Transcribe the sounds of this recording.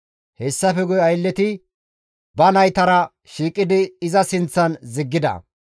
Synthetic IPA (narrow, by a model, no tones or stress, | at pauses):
hɛsːɐfɛɡʊjɐjlːɛt̪ɪ | bɐnɐjt̪ɐɾɐ | ʃiːkʼːɪd̪ɪːzɐsɪnt͡sːɐnzɪɡːɪd̪ɐ̰